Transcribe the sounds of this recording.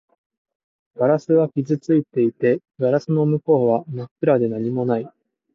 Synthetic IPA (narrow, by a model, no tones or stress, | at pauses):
ɡ̥aɾasɨβakʲizɨt͡sɨit̪e̞it̪e̞ | ɡaɾasɨno̞mɯ̟ko̞ːβamakːɯ̟ɾad̪e̞naɲ̟imo̞nai